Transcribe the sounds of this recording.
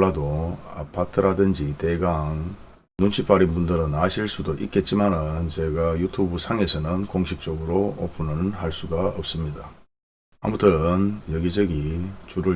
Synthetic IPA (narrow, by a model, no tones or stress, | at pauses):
ɭːadoa̰pʰatʰɯɾadɯnd͡ʑite̞ɡaŋ | nunt͡ɕʰip͈aɾinbundɯɾɯnaɕʰiɭs͈udoʔik̚k͈e̞t̚t͡ɕ͈imanɯnt͡ɕe̞ɡajutʰubusʰaŋe̞sʰʌnɯnkoŋɕʰik̚t͡ɕ͈ʌɡɯɾoʌpʰunɯnɯnhaɭs͈uɡaʌp̚s͈ɯmɲida | a̰mutʰɯnjʌɡid͡ʑʌɡit͡ɕuɾɯ